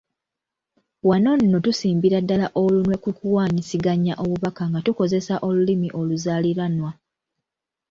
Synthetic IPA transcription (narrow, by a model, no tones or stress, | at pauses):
wano̞nːo̞tusiːmbiɾadːalaʔo̞lunwe̞kukuwaːɲisiɡaɲːaʔo̞βuβakaŋɡatuko̞ze̞saʔo̞lulimiʔo̞luzaliɾanwa